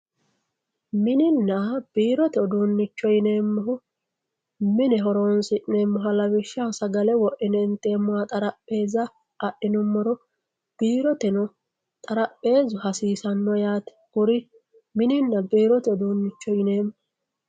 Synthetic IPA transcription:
mɪnɪnːab̥iːɾɔt̪ɛɔd̪uːnːɪt͡ʃːɔjɪne̞ːmːʊɦʊ | mɪnɛɦɔɾoːnsɪʔneːmːʊɦɐlɐwɪʃːaːsɐɡɐlɛwɔʔɪnɛnt̪e̞ːmːʊwat̪ʼɐɾɐpʼːe̞ːzɐː | ʔɪnʊmːɔɾɔ | b̥iːɾɔt̪ɛnɔ | t̪ʼɐɾɐpʼːe̞ːzʊɦɐsiːsɐnːɔjaːt̪ɛ̥ɡʊɾɪ | mɪnɪnːɐbiːɾɔt̪ɛɔd̪uːnːɪt͡ʃːɔɪne̞ːmːʊ

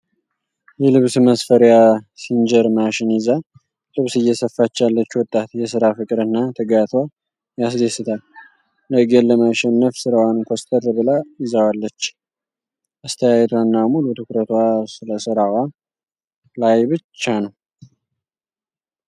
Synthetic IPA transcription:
jɛlɨβsməsfəɾjasind͡ʒəɾmaʃɪniza | tʼɨβsɨjːɛsəfːat͡ʃːalːət͡ʃːwɔt̪ʼːat̪jɛsɨɾafɨkʼɾɨnːat̪ʰɨɡat̪ʰwa | jas̬d̪esɨt̪ʰal | ləɡellːəmaʃɛnːəfsɨɾawankʰost̪ʼʰəɾβɨlaɪzəwalːət͡ʃː | ʔast̪ʰəjajɛt̪ʰwanːamulut̪ʰɨkɾət̪wasɨləsɨɾawa | lajbɨt͡ʃːanəw

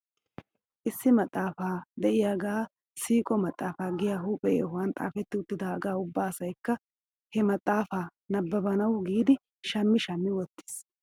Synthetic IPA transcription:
ʔɪsːɪmɐt̪ʼːaːfaːd̪ɛʔɪjaːɡaː | siːkʼɔmɐt̪ʼːaːfaːɡɪjaːɦuːpʼːɛjhʊwɐnt̪ʼa̰ːfɛt̪ːɪʊt̪ːɪd̪aːɐɡaːʊbːaːɐsɐjkːɐ | hɛmɐt̪ʼːaːfaːnɐbːɐbɐnɐwɡiːd̪ɪ | ʃɐmːɪʃɐmːɪwɔt̪ːɪ̥s

